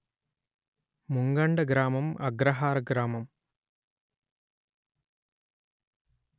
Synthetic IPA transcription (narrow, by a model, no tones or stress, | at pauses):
muŋɡɐɳɖɐɡɾaːmɐmɐ̰ɡɾɐɦaːɾɐɡɾaːmɐm